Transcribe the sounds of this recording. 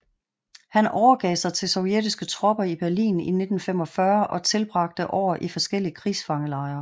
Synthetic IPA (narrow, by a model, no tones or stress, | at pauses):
hænɒʊɐɡ̥ɛ̰ːsɑ̈ɪt͡sʰe̝lsɒ̽ʊjed̥isɡ̥ət͡sʰʁɒb̥ɐib̥æɐlḭːnḭne̝d̥n̩fem̰ɒ̽fɶɐʔɒ̽t͡sʰe̝lb̥ʁɑ̈ɡ̥̚d̥əʔɒ̰ːʔifɒ̽sɡ̥el̰iəkʰʁiːsfɑ̈ŋəlɑ̈ɪɐ